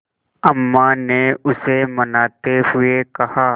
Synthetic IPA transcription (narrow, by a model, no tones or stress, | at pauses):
əmːaneʊsemɐnaːt̪eɦʊekɐhaː